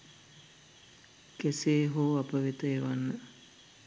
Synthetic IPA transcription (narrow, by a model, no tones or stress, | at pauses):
keseːɦoːapəʋit̪əeʋanːə